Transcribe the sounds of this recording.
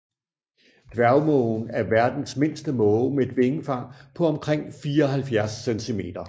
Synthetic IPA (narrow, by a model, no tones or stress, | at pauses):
d̥ʋæʊmɔʊn̩æɐʋæɐd̥n̩sme̝n̰sd̥əmɔ̽ːmee̝d̥ʋe̝ŋəfɑ̈ŋ̰pʰɒ̽ɒ̽mkʰʁeŋ̰fiːɐɒ̽ɦælfjæɐsːent͡sʰime̝̰ːd̥ɐ